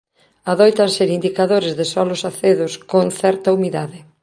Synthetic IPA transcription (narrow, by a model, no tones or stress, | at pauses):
aðojt̪anseɾind̪ikaðoɾɪzðɪsɔlʊsaθeðʊskoŋθɛɾt̪aumiðaðɪ